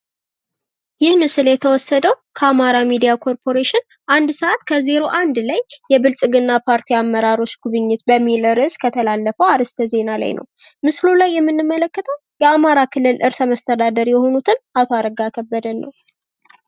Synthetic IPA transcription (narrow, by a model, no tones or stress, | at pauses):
jɪhmɨsɨljɛt̪ʰəwɔsːəd̪əw | kʰəamaɾamid̪ijakʰo̞ɾpʰo̞ɾeʃɪn | ʔand̪səʔat̪kʰəze̞ɾo̞ʔand̪lajːɛbɨlsʼɨɡɨnːapʰaɾt̪ʰiamːəɾaɾo̞t͡ʃːɡ̥uβɨɲːɪt̪bəmːiləɾɨskʰət̪ʰəlalːəfəwaɾɨst̪ʰəze̞nala̰jnʔə̰wmɨslulajːɛmːɨnːɨmːələkːət̪ʰəw | jɛamaɾakʰɨlːɨlʔɨɾsəməst̪ʰəd̪ad̪əɾjɛho̞nut̪ʰɨnat̪ʰoaɾəɡakʰəbːəd̪ənːə̰w